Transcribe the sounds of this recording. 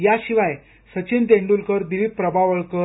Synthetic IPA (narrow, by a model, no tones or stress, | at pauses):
jaɕiʋaj | sət͡ɕint̪̬ẽɳɖulkəɾd̪ilipːɾəbaʋəɭkə